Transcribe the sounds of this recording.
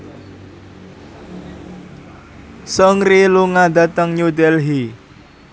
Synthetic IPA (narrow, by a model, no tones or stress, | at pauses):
sɔŋɾiluŋad̪a̤t̪əŋɲud̪ɛlɦi